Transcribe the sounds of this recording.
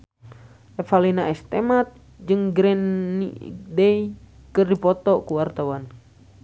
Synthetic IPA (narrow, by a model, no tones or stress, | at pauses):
ɛfalinaɛst̪ɛmat̪̚ | d͡ʒɨŋɡɾɛnːḭdɛi | kɨrdipɔt̪ɔkuwart̪awan